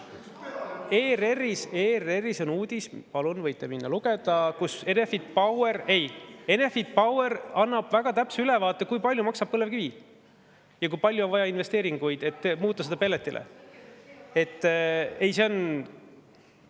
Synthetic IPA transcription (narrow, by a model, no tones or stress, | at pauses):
eːre̞riseːre̞riso̞nuːd̪̥ʲispɑlunvɤjt̪ːˑeminːɑluɡ̥e̞d̪̥ɑkuse̞ne̞fid̪̥̚pɑweɾe̞je̞ne̞fid̪̥̚pɑweɾɑnːɑb̥væɡ̥ɑt̪æpseylɛvɑːt̪ːˑekujpɑlʲjumɑksɑb̥̚pɤlevkivi | jɑkujpɑlʲjuonvɑjɑinve̞st̪e̞ːɾiŋɡ̥ujd̪̥e̞t̪ːmuːt̪ˑːɑsed̪ɑpe̞lːet̪ːˑilʔḛ | e̞t̪ːˑe̞jseon